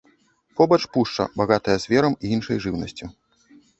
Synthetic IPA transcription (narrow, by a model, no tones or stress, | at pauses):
pɔbɐt͡ʂpuʂt͡ʂɐ̰baɣat̪ɐjɐzʲvʲɛɾɐmiinʂɐjʐɨwnɐsʲt͡sʲi